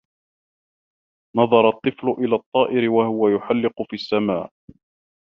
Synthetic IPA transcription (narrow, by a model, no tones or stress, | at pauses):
nɑðˤɑɾˤɑt̪ˤːɨflʊʔɪlaːt̪ˤːɑːʔɪɾɪwahʊwajʊħalːɪqʊfiːasːama̰ːʕʔ